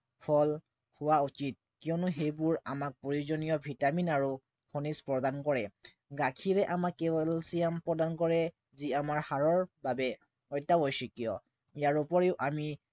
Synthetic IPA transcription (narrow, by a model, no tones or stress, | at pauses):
pʰɔl | hʊwaut͡ʃit̚kijɔnʊɦejbʊɹa̰mak̚poɹizɔnijɔbʱitaminaɹu | kʰɔnispɹɔdankɔɹɛ | ɡakʰiɹɛʔamakːɛbɔlsijampɹɔdankɔɹɛ | ziamaɹhaɹɔɹbabɛ | ɔjtːabojsikijɔ | ijaɹupɔɹeʊʔami